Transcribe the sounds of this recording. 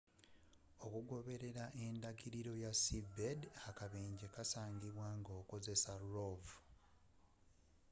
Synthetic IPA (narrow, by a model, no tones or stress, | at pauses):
o̞kuɡo̞βe̞ɾe̞ɾaʔe̞ndaɡiɾiɾo̞jasibedakaβe̞ːɲɟekasaːɲɡiβwaŋɡo̞ːko̞ze̞saɾovu